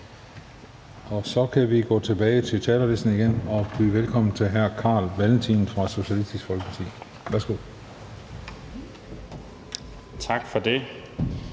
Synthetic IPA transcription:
ɒ̽sɒ̽kʰæʋiɡ̥ɔ̰ːt͡sʰe̝b̥ɛːɪt͡sʰe̝t͡sʰɛːlɐle̝sd̥n̩iɡ̥enɒ̽b̥yːʋelkʰɒ̽m̰n̩t͡sʰe̝ɦæɐ̰kʰɑ̈ːlʋæln̩t͡sʰḭːn̩fʁɑ̈so̝ɕælisd̥isɡ̥fɒ̽lɡ̥ə̥ɑt͡sʰḭː | ʋæɐsɡ̥o̝ð̰ˠ | t͡sʰɑ̈ɡ̥fɒd̥e̝

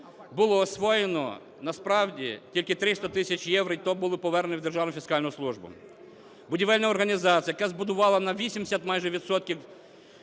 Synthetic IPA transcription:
bʊlˠɔːsʋɔjenɔ̰ | nɐspɾɑwdʲḭtʲilʲkɪt̪ɾɪst̪ɐt̪ɪsʲɐt͡ʃʲjɛwɾɪjt̪ɔbʊlˠɪpɔʋɛrnnʲɪwd̪erʒɑwnʊfʲiskɑlʲnɔɔslˠuʒbʊ̰ | bʊdʲiʋɛlʲnɐɔrɦɐnʲizɑt͡sʲijɐkazbʊd̪ʊʋɑlˠɐnɐʋʲisʲimʲɪsʲɐt̪mɑjʒɛʋʲit̪sɔt̪̚kʲiw

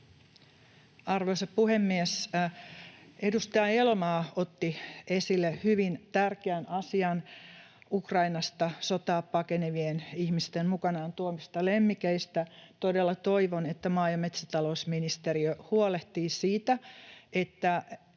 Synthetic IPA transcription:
ɑrʋoisɑppuhemːies | edust̪ɑjɑelmɑːot̪ːie̞silːehyʋint̪ærkeænɑsiɑn | ukrɑinɑst̪ɑsot̪ɑːppːɑkeneʋienihmist̪emmukɑnɑːnt̪uomist̪ɑlemːikeist̪æt̪o̞delːɑt̪o̞iʋonet̪ːæmɑːjɑmet̪sit̪ɑlousminist̪eɾiøhuoleht̪iːsiːt̪æet̪ːæ

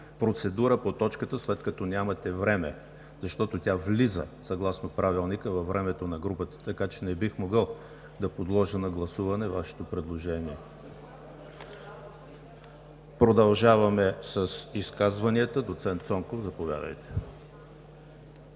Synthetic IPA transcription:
pɾot̪sɛd̪uɾəpot̪ɔt͡ʃkət̪əslɛt̪kɐt̪ɔnʲamɐt̪ɛvɾɛmɛ̰ | zɐʃt̪ɔt̪ot̪ʲavlizə̰sɐɡlˠasnopɾavilˠnikəvɐvːɾʔɛmɛt̪onɐɡɾupət̪ə̥t̪ɐkat͡ʃɛnɛbixmoɡəlˠ | d̪ɐpod̪lˠɔʒənɐɡlˠɐsuvɐnɛvaʃɛ̥t̪opɾɛd̪lˠoʒɛniɛ | pɾod̪ɐlˠʒavɐmɛsəsiskazvɐniət̪əd̪ot̪sɛnt̪sɔŋkofzɐpovʲja̰d̪ə̰jt̪ɛ̥

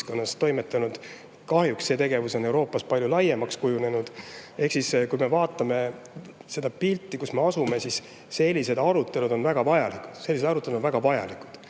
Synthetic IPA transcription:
ko̞nːɑst̪ːo̞jme̞t̪ːˑɑnud̪̥ | kɑhjuksse̞t̪e̞ɡ̥e̞vuso̞ne̞wɾo̞ːpːˑɑspɑlʲjulɑjemɑkskujune̞nud̪̥e̞hksiskujme̞vɑːt̪ːˑɑme̞ | se̞d̪ɑpilt̪ːˑikusme̞ɑsume̞sisː | e̞lʲːise̞d̪̥ɑɾut̪ːˑe̞lud̪o̞nvæɡ̥ɑvɑjɑliku̥d̪̥se̞lːise̞d̪ɑɾut̪ːˑe̞ld̪onvæɡ̥ɑvɑjɑ̰likud̪̥

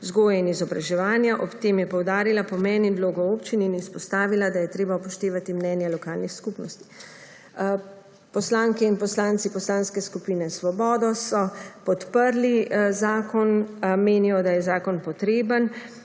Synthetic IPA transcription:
zɡoːjainizɔbɾaʒɛʋaːnjaʔɔpt̪eːmjɛpɔwd̪aːɾilapɔmɛːnind̪loːɡɔoːpt͡ʃininispɔst̪aːʋilad̪ajɛt̪ɾeːbapɔʃt̪eːʋat̪imnɛːnjɛlɔkaːlnixskupnɔst̪i̥ | pɔslaːŋkɛinpɔslaːnt̪sipɔslaːnskɛskupiːnɛsʋɔbɔːd̪ɔsɔpɔt̪pəɾlizaːkɔnmeːnijɔd̪ajɛzaːkɔnpɔt̪ɾeːbən

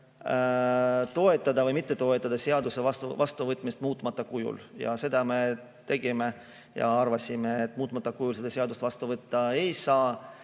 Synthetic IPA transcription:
t̪o̞e̞t̪ːˑɑd̪ɑvɤjmit̪ːe̞t̪o̞e̞t̪ːˑɑd̪ɑseɑd̪usevɑst̪vɑst̪uvɤt̪ːˑmist̪muːt̪ːˑmɑt̪ːˑɑkujṵljɑ̰se̞d̪̥ɑme̞ | t̪e̞ɡ̥ime | jɑ̰ɑrvɑsʲimeːt̪ːmuːt̪ːˑmɑt̪ːˑɑkujulsed̪̥ɑseɑd̪ust̪vɑst̪uvɤt̪ːɑe̞jsɑː

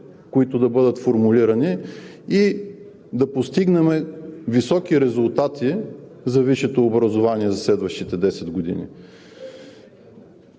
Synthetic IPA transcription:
koit̪ʊd̪ɐbɤd̪ət̪foɾmuliɾɐni | i | d̪ɐpost̪iɡnɛmɛvisɔkiɾɛzʊlˠt̪at̪izɐviʃɛt̪oːbɾɐzovaniɛzɐslɛd̪vəʃt̪it̪ɛd̪ɛsɛd̪ɡod̪ḭnḭ

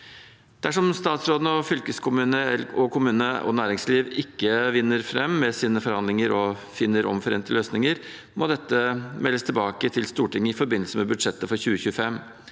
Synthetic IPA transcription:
d̪̥æʂɔmst̪ɑːt̪sɾoːd̪nəɔfʏlkəskʰʊmʉːnəɛɔkʰʊmʉːnəʔɔ̰næːɾɪŋsliːʋɪkːəʋɪnːəɾfɾɛmːɛsiːnəfɔɾhɑnd̪lɪŋəɾɔfɪnːəɾɔ̰mfɔɾḛːnt̪əløːsnɪŋəɾ | mʔod̪ɛt̪ːəmɛlːəst̪ʰɪlbɑːkət̪ʰɪlst̪uːʈɪŋːəɪfɔɾbɪnːl̩səmɛbʉd̪ʂɛt̪ːəfɔɾçʉːəçʉːəfɛmː

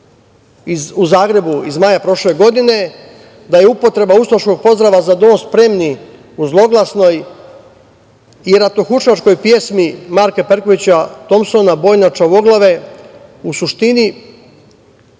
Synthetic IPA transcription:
iuzaːɡɾe̞buizmajapɾo̞ʃle̞ɡo̞d̪ine̞ | d̪ajeupo̞t̪ɾe̞baust̪oʃko̞ɡ̚po̞zd̪ɾaʋazad̪onospɾe̞mni | uzlˠo̞ɡlˠasno̞j | iɾat̪oxuʃat͡ʃko̞jpje̞smimaɾkepeɾko̞ʋit͡ɕat̪o̞mso̞nabo̞jnat͡ʃaʋo̞ɡlˠaʋe̞ | usuʃt̪ini

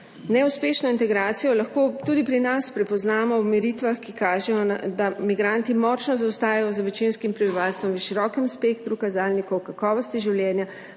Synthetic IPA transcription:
nɛuspeːʃnɔint̪ɛɡɾaːt̪sijɔlaxkoːt̪uːd̪ipɾinaspɾɛpɔznaːmɔwmɛɾit̪ʋaxkikaːʒɛjɔnad̪amiɡɾant̪imɔt͡ʃnɔzawst̪aːjajɔzɐʋɛt͡ʃinskimpɾɛbiʋaːlst̪ʋɔmʋiʃiɾɔkɛmspekt̪ɾukazaːlnikɔwkakɔːʋɔst̪iʒiwljɛːnja

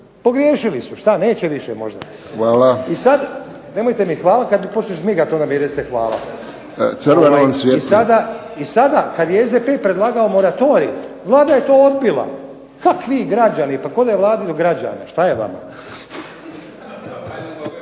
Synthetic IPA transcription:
po̞ɡɾjeːʃilisuʃt̪ane̞ːt͡ɕeʋiʃemo̞̰ʒd̪a̰ | xʋaːlaisad̪ | ne̞mojt̪emixʋaːlakad̪mipot͡ʃneʃmiɡat̪onamiɾetst̪exʋa̰ːlˠa̰ | sr̩ʋeoansʋjeisad̪a | isad̪akad̪jeezd̪epeːpɾed̪lˠaːɡaomo̞ɾat̪o̞ːɾḭʋlˠaːd̪ajet̪o̞ːod̪bilˠa̰ | kakʋiɡɾad͡ʑanipako̞d̪ajeʋlˠaːd̪id̪oɡɾad͡ʑa̰ːna̰ʃt̪ajeʋa̰ma̰

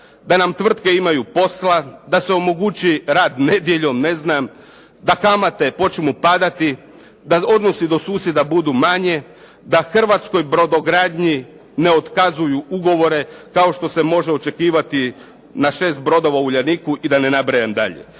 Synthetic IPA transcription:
d̪anamt̪ʋr̩t̪ke̞imajupo̞slad̪aseo̞moɡut͡ʃiɾaːd̪ne̞d̪je̞ʎo̞mne̞znam | d̪akamat̪e̞po̞t͡ʃimupad̪at̪i | d̪ao̞d̪no̞sid̪o̞suːsje̞d̪abud̪umaɲe | d̪axr̩ʋat̪sko̞jbɾo̞d̪oɡɾaːd̪ɲi | ne̞o̞t̪kazujuuɡo̞ʋo̞ɾe̞kao̞ʃt̪o̞se̞mo̞ʒeo̞t͡ʃe̞kiːʋat̪i | naʃe̞ːst̪̚bɾo̞d̪o̞ʋauʎanikuʔid̪ane̞nabɾajamd̪a̰ʎḛ

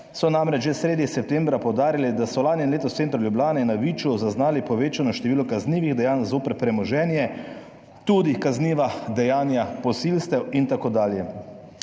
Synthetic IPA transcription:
sɔnamɾɛt͡ʃʒɛsɾeːd̪nixsɛp̚t̪eːmbɾapɔwd̪aːɾilid̪asɔlaːnjɛnleːt̪ɔst̪sent̪ɾuljubljaːnɛnaʋiːt͡ʃuzaznaːlipɔʋeːt͡ʃanɔʃt̪ɛʋiːlɔkazniːʋiɣd̪ɛjaːnzoːpəɾpɾɛmɔʒɛːnjɛ | t̪uːd̪ikazniʋad̪ɛjaːnjapɔsilst̪ɛwint̪akod̪aːljɛ

